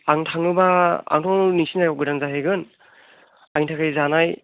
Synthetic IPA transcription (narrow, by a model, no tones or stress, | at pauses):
aŋtʰaŋɯbaa̰ŋtʰɔŋnisinzajɔɡɯɾaŋzaɦeɡɯn | aŋitʰakʰɯjzanaj